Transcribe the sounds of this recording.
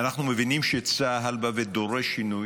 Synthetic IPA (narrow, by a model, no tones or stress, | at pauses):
anaχnumevinimʃet͡saɦalbaved̪oʁeʃinuj